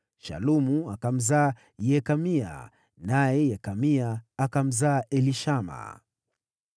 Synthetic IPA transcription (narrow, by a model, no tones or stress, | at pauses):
ʃa̰lumuakam̩zaː | jɛkamia̰ | najɛjɛkamiaːkam̩zaːʔɛliʃama̰